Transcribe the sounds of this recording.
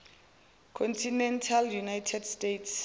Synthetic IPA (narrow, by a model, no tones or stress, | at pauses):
kʰɔntʰinɛntʰaljunajtʰɛdstetʰs